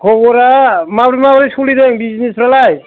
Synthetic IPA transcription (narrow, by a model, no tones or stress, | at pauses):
kʰɔβɔɾamabɾimabɾisulidɛŋbiznisɾalaj